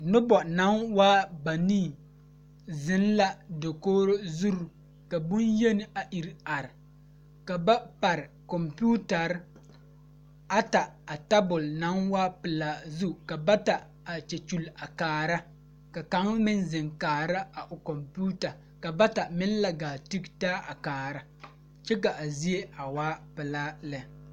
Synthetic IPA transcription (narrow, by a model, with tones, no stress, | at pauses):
nʊ˦bɔ˨na˨˦nwaː˦ba˨niː˦˨ | zɪ˦nla˦do˨koː˦ɾo˦zu˦ɾu˨ | ka˨bʊ˦nje˦nɪ˦a˨ʔi˨ɾa˨ɾɪ˨ | ka˨ba˦pa˨ɾɪ˨kɔ˨mpuː˦ta˨ɾ | a˦ta˨a˨ta˦bʊ˨lna˨˦nwaː˦pɪ˨laː˦zu˦ka˨ba˦ta˨ | a˨t͡ʃɛ˨t͡ʃu˨la˨kaː˨ɾa˦ | ka˨ka˦ŋ˦mɪ˦nzɪ˨ŋkaː˨ɾa˦a˨ʔʊ˨kɔ˨mpu˦ta˨ | ka˨ba˦ta˨mɪ˦n˦la˨ɡaː˨ti˦ktaː˦ʔa˨kaː˨ɾa˦ | t͡ʃɛ˦k̬a˨ʔa˨zi˦e˦a˨waː˦pɪ˨laː˦lɛ˨